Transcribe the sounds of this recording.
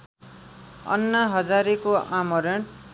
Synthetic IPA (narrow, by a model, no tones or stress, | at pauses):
ʌ̰nːʌɦʌd͡zaɾekoamʌɾʌɳ